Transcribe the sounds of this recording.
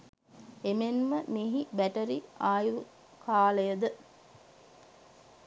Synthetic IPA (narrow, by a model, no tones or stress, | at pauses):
emenməmiɦibæʈəɾiaːjʋu | kʰaːləjəd̪ə